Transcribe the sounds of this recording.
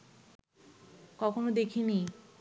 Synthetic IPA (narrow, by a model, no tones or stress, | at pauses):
kɔkʰonod̪ekʰini